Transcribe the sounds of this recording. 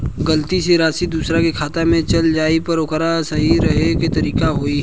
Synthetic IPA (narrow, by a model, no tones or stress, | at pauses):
ɡəlt̪iseɾaːsid̪uːsɾakekʰaːt̪amẽt͡ʃɐld͡ʒaːipɐɾʊkɾasɐɦiɾɐɦeket̪ɐɾiːkaɦoːi